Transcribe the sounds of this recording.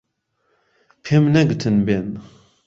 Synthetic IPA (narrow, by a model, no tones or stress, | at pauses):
pʰemnaɡt̪ʰənben